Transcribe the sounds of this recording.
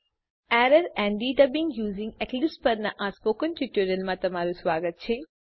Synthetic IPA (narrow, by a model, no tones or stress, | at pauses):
æːɾɐɾæ̃ːɳɖiːɖɐbiŋɡjuːzĩŋɡeklispɐɾnɐʔaːspoːkɐnʈuʈːjuɾɐlmɐt̪ɐmaːɾusʋaːɡɐt̪̚t͡ʃʰe